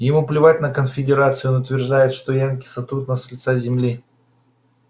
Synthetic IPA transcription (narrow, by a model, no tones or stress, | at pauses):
jɪmuplʲɪvatʲnəkənfʲɪdʲɪɾat̪sɨjonʊt̪vʲɪrʐd̪ajɪt̪ʂt̪ojank̬ʲisɐt̪ɾut̪nəsʲlʲt̪sazʲɪmlʲi